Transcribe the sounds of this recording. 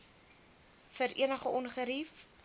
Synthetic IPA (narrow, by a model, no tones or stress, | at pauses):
fəɾʔḭənəχəʔɔnχəɾif